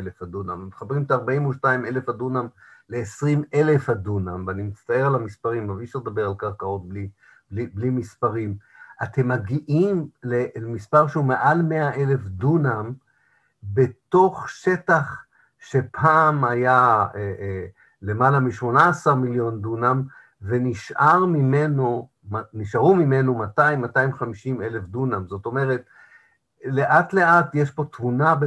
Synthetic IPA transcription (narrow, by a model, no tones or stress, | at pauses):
lefadunammit̪χabʁimet̪aaʁbaimuʃtaime̞le̞fhad̪unam | le̞ːsʁime̞le̞fhadunamveanimit͡st̪aeʁalamispaʁimaviʃald̪abe̞ʁalkaʁkao̞t̚bli | bliblimispaʁim | ʔat̪e̞mːaɡiʔimlemispaʁʃeume̞ʔalmeaʔe̞le̞fdunam | be̞t̪o̞χʃe̞taχ | ʃepʰaːmaja | le̞malamiʃmo̞naːsaʁmiljo̞ndunam | ve̞niʃʔaʁmime̞no | mniʃaʁumime̞nomataimːataimχamiʃime̞le̞fdunamzo̞to̞meʁe̞t | le̞ʔatle̞ʔatjeʃpo̞tmunab